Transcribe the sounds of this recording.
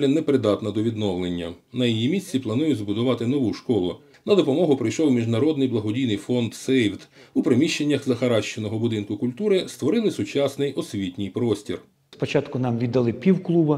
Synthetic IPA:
lʲɛnɛpɾɪd̪ɑt̪nɐd̪ɔʋʲid̪nɔwlˠenʲːɐnɐjijimʲisʲt͡sʲːiplˠɐnujʊzbʊd̪ʊʋɑt̪ɪnɔʋuʃkɔlˠʊ̰ | nɐd̪ɔpɔmɔɦʊpɾɪjʃɔwmʲiʒnɐɾɔd̪nɪjblˠɐɦɔdʲijnɪjfɔnd̪sɛjwt̪upɾɪmʲiʃt͡ʃːenʲːɐxzɐxɐɾɑʃt͡ʃenɔɦɔbʊd̪ɪnkʊkʊlʲt̪uɾɪst̪ʋɔɾɪlˠɪsʊt͡ʃɑsnɪjɔsʲʋʲitʲnʲɪjpɾɔsʲtʲir | spɔt͡ʃɑt̪kʊnɑmʋʲid̪ːɐlˠɪpʲiwklˠubɐ

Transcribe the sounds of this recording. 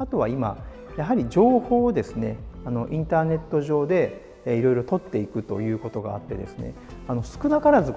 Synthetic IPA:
at̪o̞βaima̰ | jaɦaɾʲid͡ʑo̞ːho̞ːd̪e̞sɨne̞ano̞ʔĩnt̪aːne̞t̪ːo̞ʑo̞ːd̪e̞ | iɾo̞iɾo̞t̪o̞t̪ːe̞ikɯ̟t̪o̞̰jɯ̟ːko̞t̪o̞ɡa̰ːt̪ːe̞̰d̪e̞̰sɨne̞̰ | ano̞sɨ̥kɯ̟nakaɾazɨ

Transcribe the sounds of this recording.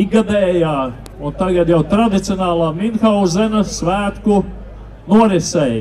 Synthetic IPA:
iɡad̪ɛːjaː | unt̪aɡad̪jawt̪ɾad̪it̪sʲionaːlˠaːminxawzɛnasvæːt̪ku | nuɔɾɛsɛj

